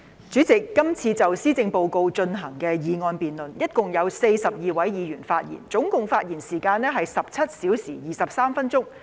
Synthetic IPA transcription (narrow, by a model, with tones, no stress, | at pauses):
t͡st͡ʃyː˨˥t͡sɪ˨kːɐ˥mt͡sʰiː˧t͡sɐ˨wsiː˥t͡sɪ˧ŋpo˨˧wko˧wt͡ʃɵ˧nɦɐ˨˩ŋkɛː˧jiː˨˧ŋɔː˧npiː˨˩nlɵ˨njɐ˥t̚kʊ˨ŋjɐ˨˧wse˧jsɐ˨p̚jiː˨wɐ˨˥jjiː˨˧jyː˨˩nfaː˧t̚jḭː˨˩nt͡sʊ˨˥ŋkʊ˨ŋfaː˧t̚jiː˨˩nsiː˨˩kaː˧nɛː˥ɦɐ˨jsɐ˨p̚t͡sʰɐ˥t̚siː˨˥wsiː˨˩jiː˨˩sɐ˨p̚saː˥mfɐ˥nt͡sʊ˥ŋ